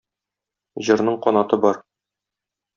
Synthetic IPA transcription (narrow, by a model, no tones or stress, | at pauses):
ʑɤ̆ɾnɤɴqɒnɑt̪ɤbɒɾ